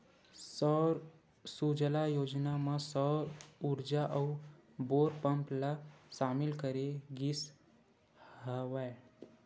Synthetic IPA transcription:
sɔɾ | sud͡ʒəlajoːd͡ʒnamãsɔɾuɾd͡ʒaʔəʊboːɾpəmplaʃaːmɪlkəɾeɡis | ɦəʋae

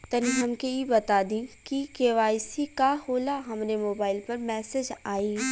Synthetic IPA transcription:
t̪ɐniɦɐmkeibɐt̪aːd̪ĩkikeːʋaːjsikahoːlaɦɐmnemoːbaːɪlpɐɾmɛːsed͡ʒaːiː

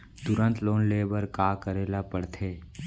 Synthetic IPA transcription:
t̪ʊɾə̃nt̪loːnleːbəɾkaːkəɾeːlapəɽt̪ʰeː

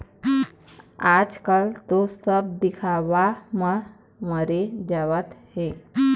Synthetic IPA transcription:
ad͡ʒkalt̪osəb̚d̪ikʰaʋamə | məɾed͡ʑaʋət̪ɦe

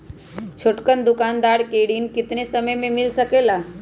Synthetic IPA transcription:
t͡ɕʰoʈkənd̪ukand̪aɽkeɽiːnkit̪nesəməjmemilsəkela

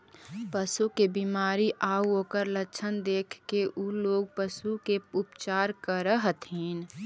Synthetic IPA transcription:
pəsukebimaːɾiʔaːuoːkəɾlətːt͡ʃʰənd̪eːkʰkeʔuloːɡ̚pəsukeʊpt͡ʃaːɾkəɾəɦt̪ʰiːn

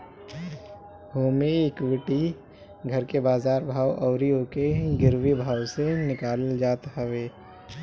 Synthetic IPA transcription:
ɦoːmiekwɪʈi | ɡʱəɾkebaːzaːɾbʱaːwʔɔʊɾiõkeɡɪɾwibʱaːwsenɪkaːld͡ʒaːt̪ɦəʋeː

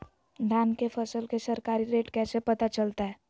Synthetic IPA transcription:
ɖʱaːnkefʰɐsəlkesɐɾkaːɾiɾeːʈkɛːsepɐt̪at͡ʃəlt̪aɦɛː

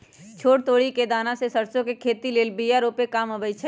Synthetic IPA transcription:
t͡ʃʰoːʈt̪oːɽiked̪aːnãsesəɾsõkekʰeːt̪ileːlbijaɾoːpekaːməbət͡ʃʰɛ

